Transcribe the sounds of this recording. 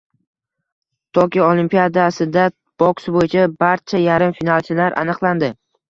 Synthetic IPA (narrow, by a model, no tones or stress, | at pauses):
t̪ʰɒkʲʰiolˠimpijad̪asɪd̪a | b̥ɒksbojɪt͡ʃʰabaɾt͡ʃʰajaɾɪmfinalt͡ʃʰɪlaɾʔa̰nɨqlˠand̪ɪ